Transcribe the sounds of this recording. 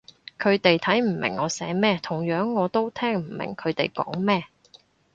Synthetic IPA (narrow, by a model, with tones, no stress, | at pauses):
kʰɵ˨˧ɥt̪e˨jt̪ʰɐ˨˥jm̩˨˩mɪ̰˨˩ŋːɔː˨˧sɛ̰ː˨˥mɛː˥t̪ʰʊ˨˩ŋjœː˨˥ŋːɔː˨˧t̪o˥wt̪ʰɛː˥ŋm̩˨˩mɪ̰˨˩ŋkʰɵ˨˧ɥt̪e˨˩jkɔ̰ː˨˥ŋmɛː˥˩